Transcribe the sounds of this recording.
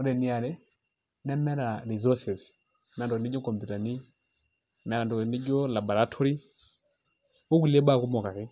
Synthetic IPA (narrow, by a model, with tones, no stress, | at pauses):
ɔ˨ɾɛ˨ni˨a˨ɾɛ˦ | nɛ˦mɛ˦ɾa˨ɾi˨zɔ˦sɛ˨s | na˨n˨dɔ˨ni˦d͡ʒɔ˦kɔ˨mpu˨ta˨ni˦ | mɛ˨ɾa˨ndɔ˨ni˦d͡ʒɔ˦la˨bɔ˨ɾa˦tʰɔ˦ɾi˦ | wɔ˦ki˦lɛ˦ɓa˦˨ku˦mɔ˨ka˨kɛ˦